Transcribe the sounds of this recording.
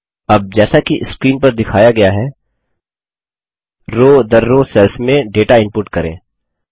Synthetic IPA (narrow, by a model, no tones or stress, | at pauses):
ɐb̚d͡ʒɛːsakiʔɪskɾiːnpɐɾd̪ɪkʰaːjaɡɐjaɦɛ | ɾoːd̪ɐɾːosɛːlfmẽɖeːʈaɪ̃mpʊːɾʈkɐɾḛ̃ː